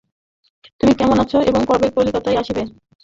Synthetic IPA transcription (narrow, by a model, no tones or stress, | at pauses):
t̪umikɛmonat͡ɕʰoʔeboŋkɔɾbek̚polikot̪ajaʃibe